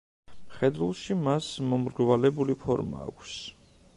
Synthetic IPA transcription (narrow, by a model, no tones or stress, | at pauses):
χɛd̪ɾulˠʃimasmɔmɾɡvalɛbulipʰɔɾma̰ːkʷʰs